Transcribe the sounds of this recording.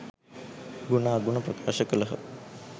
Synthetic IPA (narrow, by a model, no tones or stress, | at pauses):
ɡunaːɡuɳɐpɾɐkaːʃɐkɐlɐɦɐ̰